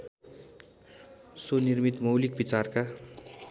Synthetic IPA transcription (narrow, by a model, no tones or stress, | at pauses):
sonirmit̪mʌwlikbit͡sarka